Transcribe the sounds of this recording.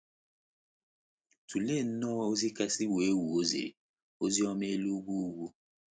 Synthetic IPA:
tu˨le˦˨n̩˦nɔ˦o˦zi˦ka˦si˦we˨˦wu˨o˦zḛ˨ɾḛ˨ | o˦zi˦ɔ˦m˦e˦lu˦ɡʷu˦u˦ɡʷu˦

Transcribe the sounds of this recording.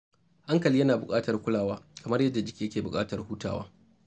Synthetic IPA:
ʔa˦ŋkɐ˨li˦jɐ˦naː˨bʊ˨kʼaː˦tɐ˨rkʷʊ˦laː˨waː˦kɐ˨mɐ˦rjɐ˦dːa˨d͡ʒɪ˦kʲiː˨jɐ˦kʲeː˨bʊ˨kʼaː˦tɐ˨rhuː˦ta̰ː˨wa̰ː˦

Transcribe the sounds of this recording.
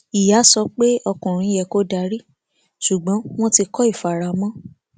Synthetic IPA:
i˨ja˨˦sɔ˧k͡pe˦ɔ˧kũ˨ɾ̃ĩ˧˦jɛ˧˨ko˦da˧˦ɾi˦ | ʃu˨ɡ͡bɔ̃˨˦w̃ɔ̃˦ti˧kɔ˦i˦˨fa˨ɾa˨mɔ̃˦

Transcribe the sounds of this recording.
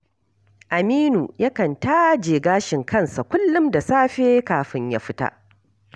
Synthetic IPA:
ʔa˨miː˦nu˨ja˦kɐ˨nta˦d͡ʒeː˨ɡaː˦ʃɪ˨ŋkʰɐ˦nsa˨kʷʊ˦lːʊ˦mda˨saː˦ɸeː˦kaː˨ɸɪ˦ɲja̰ː˦ɸɪ˦ta̰˦ʔ

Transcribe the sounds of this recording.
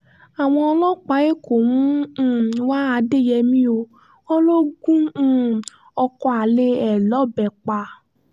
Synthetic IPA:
a˨w̃ɔ̃˧ɔ˧lɔ˦k͡pa˨˦e˦ko˨mũ˦ | wa˦a˧de˦˨jɛ˧mĩ˦o˧ | wɔ˦lo˦ɡũ˦ | ɔ˧kɔ˧a˨le˧ɛ˨lɔ˨˦bɛ˨k͡pa˧

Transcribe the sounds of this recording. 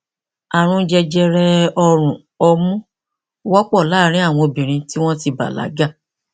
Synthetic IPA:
a˨ɾ̃ũ˧d͡ʒɛ˧d͡ʒɛ˧ɾɛ˧ɔ˧ɾ̃ũ˨ | ɔ˧mũ˦ | wɔ˦k͡pɔ˦˨la˦ɾ̃ĩ˦a˦˨w̃ɔ̃˧o˧bĩ˨ɾ̃ĩ˧ti˦w̃ɔ̃˦ti˧ba̰˨la̰˨˦ɡa˦˨

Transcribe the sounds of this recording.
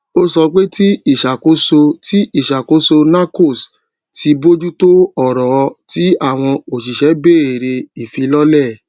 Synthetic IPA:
o˦sɔ˧k͡pe˦ti˦i˦˨ʃa˨ko˨˦so˧tʰi˦i˦˨ʃa˨ko˨˦so˧na˦ko˦˨s | tʰi˧bo˦d͡ʒu˦to˦ɔ˦˨ɾɔ˨˧˦ti˦a˦˨w̃ɔ̃˧o˨ʃ̬i˨ʃɛ˨˦be˦˨e˨ɾe˧i˨fi˧lɔ˦lɛ˦˨

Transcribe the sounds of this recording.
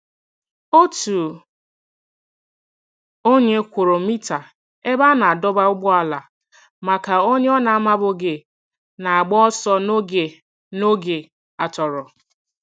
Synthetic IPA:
o˦tu˨ | o˦ɲe˦kʷʊ˨ɾo˨mi˦ta˨ | e˦ba˦na˨a˨dɔ˦ba˦ʊ˦ɡ͡bɔ˦a˨la˨ | ma˨ka˨o˦ɲe˦ɔ˦na˨a˦ma˦bʊ˨ɡe˨ | na˨a˨ɡ͡bɔ˦ɔ˦sɔ˦n˦ɡe˨ | no˦ɡe˨ | a˨tɔ˨ɾɔ˨

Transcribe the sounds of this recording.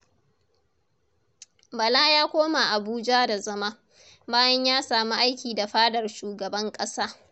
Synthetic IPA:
bɐ˨la˦jaː˦kʷoː˦ma˨ʔa˨buː˦d͡ʒa˦da˨zɐ˦ma˦ | baː˦jɐ˦ɲjaː˦saː˨mu˦ʔa˦jkʲiː˨da˨ɸaː˦dɐ˨rʃuː˨ɡɐ˨bɐ˦ŋkʼɐ˦saː˦

